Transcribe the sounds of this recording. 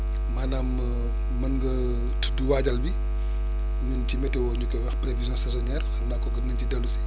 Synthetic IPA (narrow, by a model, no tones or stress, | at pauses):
manaːm | mɐnɡɐ | tduwaɟɐlbi | ɲunt͡ʃimɛtɛwɔɲukɔwɐxpɾevizjɔ̃sɛzɔnɛːrxɐmnaːkːɔɡɐmnɐncidɐlːusi̥